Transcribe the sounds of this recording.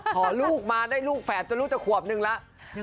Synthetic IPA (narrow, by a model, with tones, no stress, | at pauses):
ɔː˩˦luː˥˩k̚maː˧daː˥˩jluː˥˩k̚fɛː˨˩˦t̪̚t͡ɕa˧luː˦˥t͡ɕ̪ɛ˨˩kʰu˨˩əp̚nɯ˧ŋla˦˥ʔ